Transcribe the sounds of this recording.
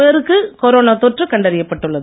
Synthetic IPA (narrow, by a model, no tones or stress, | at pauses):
eːɾɯkːɯkɔɾoːnaːt̪ɔʈrɯkɐɳɖɐɾɪjɐpːɐʈːɯɭːɐð